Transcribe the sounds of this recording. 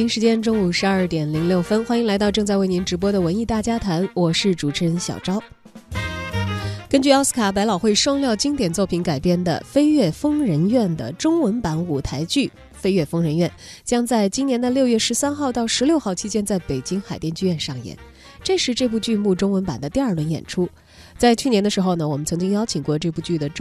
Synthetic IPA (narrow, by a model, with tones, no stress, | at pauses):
i˧˥ŋʂɻ̩˧˥t͡ɕjɛ˥nʈ͡ʂʊ˥ŋu˨˩ʂɻ̩˧˥ɐ˞˥˩t̪jɛ˨˩nli˧˥ŋljo˥˩ʊfə˥nxwa˥ni˧˥ŋla˧˥ɪt̪ɑ˥˧ʊʈ͡ʂɤ˧ŋt͡sa˥˧ɪwe˥˩ɪni˧˥nʈ͡ʂɻ̩˧˥p̬wɔ˥d̪ə˨wə˧˥ni˥˧t̪a˥˩t͡ɕja˥t̪ʰa˧˥nwɔ˨˩ʂɻ̩˥˩ʈ͡ʂu˨˩ʈ͡ʂʰə˧˥ŋɕjɑ̰˨˩ʊʈ͡ʂɑ˥ʊ | kə˥nt͡ɕy˥˩ɑ˥sɹ̩˥kʰa˨˥p̬a˧˥ɪlɑ˨˩ʊxwe˥˩ɪʂwɑ˥˧ŋljɑ˥˧ʊt͡ɕi˥ŋt̪jɛ˨˩nt͡swɔ˥˩pʰi˧˥nka˨˩ɪpjɛ˥˩nd̪ə̰˩fe˥ɪɥɛ˥˩fɤ˥ŋɻə˧˥nɥɛ˥˩nd̪ə̰˩ʈ͡ʂʊ˥ŋwə˧˥npa˧˥nu˨˩t̪ʰa˧˥ɪt͡ɕy˥˩ | fe˥ɪɥɛ˥˩fɤ˥ŋɻə˧˥nɥɛ˥˩nt͡ɕjɑ˥ŋt͡sa˥˩ɪt͡ɕi˥njɛ˧˥nd̪ə˧ljo˥˧ɥɛ˥˩ʂɻ̩˧˥sa˥nxɑ˥˧ʊt̪ɑ˥˩ʊʂɻ̩˧˥ljo˥˧ʊxɑ˥˩ʊt͡ɕʰi˥t͡ɕjɛ˥nt͡sa˥˩ɪpe˨˩ɪt͡ɕi˥ŋxa˨˩ɪt̪jɛ˥˧nt͡ɕy˥˧ɥɛ˥˧nʂɑ˥˩ŋjɛ̰˨˩˦n | ʈ͡ʂɤ˥˧ʂɻ̩˥˧ʈ͡ʂɤ˥˧p̬u˥˧t͡ɕy˥˧mu˥˩ʈ͡ʂʊ˥ŋwə˧˥npa˨˩nd̪ə˦t̪i˥˧ɐ˞˥˩lwə˧˥njɛ̰˨˩nʈ͡ʂʰu˥ | t͡sa˥˧ɪt͡ɕʰy˥˩njɛ˧˥nd̪ə˧ʂɻ̩˧˥xo˧ʊnə˩wɔ˨˩mə˦nt͡sʰɤ˧˥ŋt͡ɕi˥ŋjɑ˥ʊt͡ɕʰi˨˩ŋkwɔ˥˧ʈ͡ʂɤ˥˧pu˥˧t͡ɕy˥˩d̪ə˩ʈ͡ʂ